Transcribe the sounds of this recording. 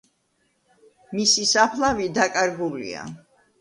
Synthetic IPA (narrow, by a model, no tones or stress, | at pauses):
misisapʰlˠavid̪akʼaɾɡulḭa̰